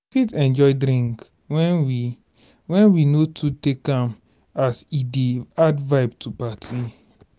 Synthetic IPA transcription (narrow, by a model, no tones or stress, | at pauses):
fitɛ̃nd͡ʒɔɪdɾĩŋk | ɛw | wɛ̃nwinotʰutekãm | asideadvaɪb̚tʰupatʰi